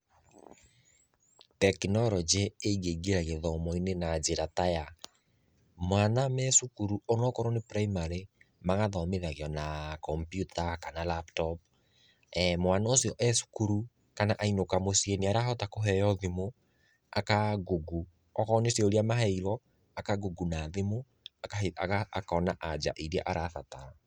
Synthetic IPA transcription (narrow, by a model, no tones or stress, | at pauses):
tɛkinɔɾɔd͡ʒeːɡeɡeɾaɣeðɔmɔinenad͡ʒeɾataja | mwanamɛsukuɾuonɔkɔɾɔnepɾaimaɾemaɣaðɔmeðaɣjɔnakɔmpjutakanalaptɔp̚ | mwanaosiɔʔɛsu̥kuɾu | kanaʔainokamosieniaɾaɦɔtakoɦɛjɔðemo | a̰kaɡuɡu | ɔkɔːnesiɔoɾiamaɦɛiɾɔ | akaɡuɡunaðemo | aaeaakaɔnaʔad͡ʒa̰ʔiɾa̰ʔaɾʔaθata